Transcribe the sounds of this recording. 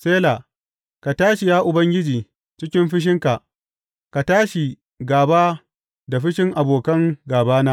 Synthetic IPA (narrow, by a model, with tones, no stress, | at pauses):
seː˦laː˨ | ka˨taː˦ʃi˨jaː˦ʔʊ˨bɐ˦ŋɡʲɪ˦d͡ʒiː˨ | t͡ʃɪ˦kʲɪ˦mɸɪ˦ʃ̬ɪ˦ŋka˨ʔ | ka˨taː˦ʃi˨ | ɡaː˨baː˦ | da˨ɸɪ˦ʃɪ˦ŋʔa˨boː˨kɐ˦ŋɡaː˨baː˦naː˦